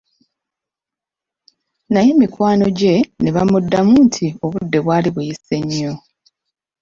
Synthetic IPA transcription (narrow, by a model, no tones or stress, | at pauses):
naje̞mikwaːno̞ɟe̞neβamudːamuːntʰio̞βudːe̞βwaːliβujise̞ɲːo̞